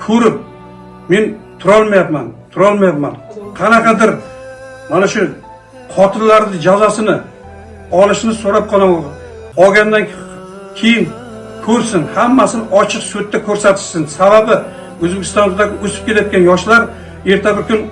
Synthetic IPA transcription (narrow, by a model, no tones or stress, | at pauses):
kʰɵɾɪp̚ | me̞nt̪ʰʊɾɒlˠmajapmant̪ʰʊɾɒlˠmajapmanqʰɑnaqʰɑd̪ɪɾ | manaʃʊ | qʰɒt̪ʰɪnlaɾd̪ɪd͡ʒawzasɪnɪ | ɒlˠɪʃnɪsoɾap̚qʰɒlˠɪŋ | ɒɡʲand̪an | kʲʰe̞jɪn | kʰɵɾsɪnhamːasɪnɪʔɒt͡ʃʰɨqsut̪ːakʲʰɵɾsat̪ʰɪ̥ʃsɪnsababɪ | ɵzbekʲɪ̥st̪ɒnd̪aɡʲɪɵsɪ̥p̚kʲe̞lajɒt̪̚ʲkʲanjɒʃlaɾ | e̞ɾt̪ʰabɪɾkʰʊn